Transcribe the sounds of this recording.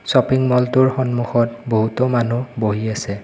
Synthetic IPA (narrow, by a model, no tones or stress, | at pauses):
sɔpiŋmɔltʊɹxɔnmuxɔtboɦutɔmanuboɦiasɛ